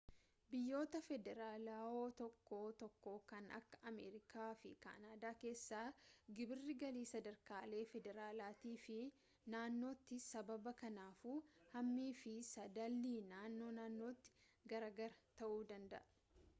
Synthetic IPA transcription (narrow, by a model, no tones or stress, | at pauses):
bɪjːo̞ːt̪ɐfɛd̪ɛɾaːlaːoːt̪ɔkːoːt̪ɔkːoːkɐnʔɐ̰kːɐ̥ʔɐmḛːɾɪkʰaːfɪka̰ːnaːd̪aːke̞ːsːaːɡɪbɪrːɪɡɐliːsɐd̪ɐɾkaːle̞ːfɛd̪ɛɾaːlaːt̪iːfɪ | naːnːo̞ːt̪ːɪsɐbɐbɐkɐnaːfuːhɐmːiːfɪsɐd̪ɐlːiːnaːnːo̞ːnaːnːo̞ːt̪ːɪ̥ɡɐɾaːɡɐɾɐt̪ɐʔuːd̪ɐnd̪ɐʔɐ